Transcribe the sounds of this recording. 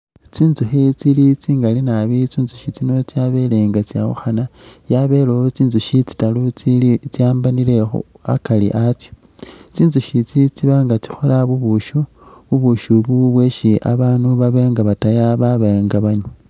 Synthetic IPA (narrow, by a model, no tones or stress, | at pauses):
t͡siːnzuxit͡silit͡siːŋɡalinaβit͡siːnzuʃit͡sino̞t͡sjaβe̞leːŋɡat͡sja̰wṵxanajaβe̞lot͡siːnzuʃit͡si̥talut͡silit͡sjaːmbanile̞xṵ | a̰kalḭʔat͡sjo̥ | t͡siːnzuʃit͡sit͡siβaːŋɡat͡si̥xolaβuβuʃu | βuβuʃuβuβweʃiʔa̰βaːnuβaβeːŋɡaβatajaβaβeŋɡaβaɲu